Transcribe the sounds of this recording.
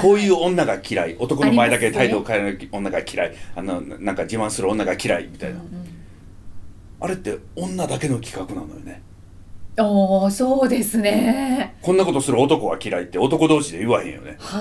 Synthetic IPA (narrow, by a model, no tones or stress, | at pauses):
ko̞ːjɯ̟ːõ̞nːaɡakʲiɾaiʔo̞t̪o̞konomaed̪aket̪ʰaid̪oːkaɯõ̞nːaɡakʲʰiɾaianonãŋkad͡ʑiβãɰ̃sɨɾɯ̟õ̞nːaɡakʲiɾaimʲit̪a̰ina̰ | aɾe̞t̪ːe̞õ̞nːad̪ake̞no̞kʲi̥kakɯ̟na̰nːo̞jo̰ne̞ | osoːd̪e̞sɨnekõnːako̞t̪o̞sɨɾɯ̟ot̪o̞ko̞βakʲiɾait̪ːe̞o̞t̪o̞kod̪o̞ːɕid̪ejɯβahẽ̞jo̞̰ne̞̰